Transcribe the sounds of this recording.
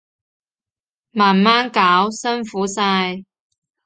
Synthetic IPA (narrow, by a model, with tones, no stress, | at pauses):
maː˨˩nmaː˥nkaː˨˥wsɐ˥nfuː˨˥saː˧j